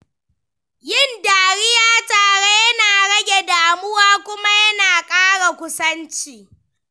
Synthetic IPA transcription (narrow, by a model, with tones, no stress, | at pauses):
jɪ˦˨ndaː˨ɽɪ˦jaː˦taː˨ɽe˦jɐ˦naː˨ɽɐ˦ɡʲe˨daː˨mʊ˦waː˦kʷʊ˦ma˦jɐ˦naː˨kʼaː˦ɽa˨kʷʊ˦sɐ˦nt͡ʃiː˨